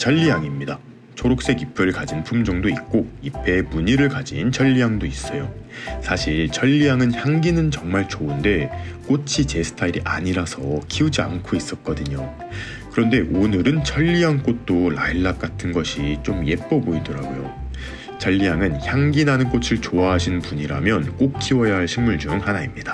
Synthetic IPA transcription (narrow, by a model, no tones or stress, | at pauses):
t͡ɕʰʌʎːijaŋimɲida | t͡ɕʰoɾok̚s͈e̞ɡipʰɯɾɯɭkad͡ʑinpʰumd͡ʑʌŋdoik̚k͈oipʰe̞muɲiɾɯɭkad͡ʑint͡ɕʰʌʎːijaŋdois͈ʌjosʰaɕʰiɭt͡ɕʰʌʎːijaŋɯnçjaŋɡinɯnt͡ɕʌŋmaɭt͡ɕounde̞k͈ot͡ɕʰit͡ɕe̞sʰɯ̥tʰaiɾiʔa̰ɲiɾasʰʌkʰiud͡ʑia̰nkʰois͈ʌt̚k͈ʌdɯɲo | kɯɾʌnde̞ʔonɯɾɯnt͡ɕʰʌʎːiɦaŋk͈ot̚t͈olaiɭːak̚k͈atʰɯnɡʌɕʰit͡ɕ͈omje̞p͈ʌboidʌɾaɡojo̰ | t͡ɕʰʌʎːijaŋɯnçjaŋɡinanɯnk͈ot͡ɕʰɯɭt͡ɕoaɦaɕʰinpuɲiɾamjʌnk͈ok̚k͈iwʌjaɦaɭɕʰimmuɭd͡ʑuŋhanaimɲid̥a